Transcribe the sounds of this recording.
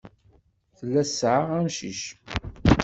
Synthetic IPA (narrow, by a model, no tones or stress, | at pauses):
θəlːæsʕaʁæmʃiʃ